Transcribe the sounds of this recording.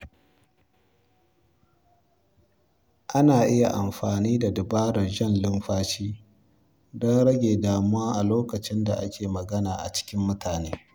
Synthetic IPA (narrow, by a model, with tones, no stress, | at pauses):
ʔa˦naː˨ʔɪ˦ja˨ʔa˨mɸaː˨niː˦da˨dɪ˨baː˦ɽɐ˨rʒɐ˦nlɪ˦mɸaː˦t͡ʃiː˦ | dɔ˦nɽɐ˦ɡʲeː˨daː˨mʊ˦waː˦ʔa˨loː˦kɐ˨t͡ʃɪ˦nda˨ʔa˦kʲeː˨mɐ˨ɡɐ˦naː˨ʔa̰˨t͡ʃɪ̥˦kʲɪ˦mːʊ˦tʰaː˨neː˦